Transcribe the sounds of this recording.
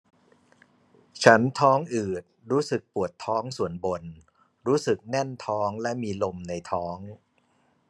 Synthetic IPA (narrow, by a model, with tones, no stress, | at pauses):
t͡ɕʰa˦˥nt̪ʰɔː˦˥ŋʔɯː˨˩t̪̚ɾuː˦˥sɯ˨˩k̚pu˨˩ət̪ʰːɔː˦˥ŋsu˨˩ənbo˧n | ɾuː˦˥sɯ˨˩k̚nɛ˥˩nt̪ʰɔː˦˥ŋlɛ˦˥ʔmiː˧lo˧mna˧jt̪ʰɔː˦˥ŋ